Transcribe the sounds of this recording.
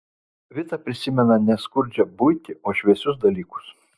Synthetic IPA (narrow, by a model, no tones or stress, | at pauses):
ʋʲɪt̪ɐpʲɾʲɪsʲɪmʲɛnɐnʲɛskʊɾʲd͡ʒʲɛbʊɪt̪ʲɪʔoːʃʲʋʲɛsʲʊs̬d̪ɐlʲiːkʊ̥s